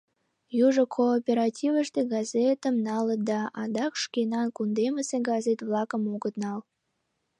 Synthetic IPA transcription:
juʒəkʰoːpʲeɾɑtʲivəʃt̪eɡɑzet̪ə̆mnɑləd̪ɑʔɑd̪ɑkʃkenɑnkund̪eməseɡɑzet̪vlˠɑkəmuɡət̪nɑl

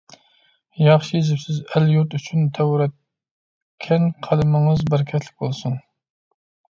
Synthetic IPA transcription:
jɑχʃijezɪpsɪzæljuɾt̪yt͡ʃʰynt̪ʰæwɾɛt̪̚ | kʲʰːɛnqʰælɨmɪŋɨzbæɾkʲʰɛt̪ʰlɪkʲbolˠsuŋ

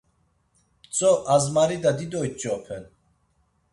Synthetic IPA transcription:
t͡sʼɔʔazmaɾid̪ad̪id̪ɔjt͡ʃʼɔpʰɛn

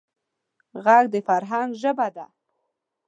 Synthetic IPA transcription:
ɣaɡ̚d̪əfaɾɦanɡ̪ʒəbad̪a

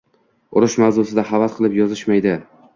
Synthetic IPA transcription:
ʊɾɪʃmawzosɪd̪aɦavat̪̚qʰɨlˠɪpjɒzɪʃmajd̪ɪ

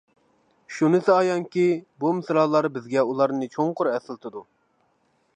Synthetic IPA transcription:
ʃunɨsɨɑjɑŋkʲibumɪsɾɑːlˠɑɾbɪzɡʲɛulˠɑɾnɨt͡ʃʰoŋqʰʊɾɛsɪlˠt̪ʰɨd̪u

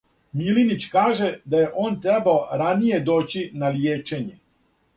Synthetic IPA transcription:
milinit͡ɕkaːʒe̞d̪ajeʔo̞ːnt̪ɾebaoɾanije̞d̪oːt͡ɕinaljeːt͡ʃe̞ɲe̞

